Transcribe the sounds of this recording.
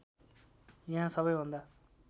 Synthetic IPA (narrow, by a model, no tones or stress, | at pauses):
jaɦãsʌbʌjɦũnd̪aː